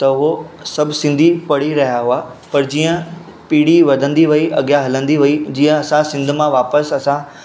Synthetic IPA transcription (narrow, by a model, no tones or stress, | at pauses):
t̪ɐʊɦosɐbʱsɪ̃nd̪ʱipɐɽ̤iɾɐɦijaɦʊapɐɾd͡ʑiːə̃ | piːɽiʋɐd̪ʱə̃nd̪iʋɐiʔɐɠjaɦɐlə̃nd̪iʋɐid͡ʑĩːə̃ɐsãsɪ̃nd̪ʱʊmãʋaːpəsɐsã